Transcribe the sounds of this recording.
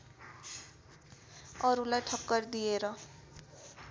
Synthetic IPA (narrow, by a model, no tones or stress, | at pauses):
ʌɾulajʈʰʌkːʌrd̪ijeɾʌ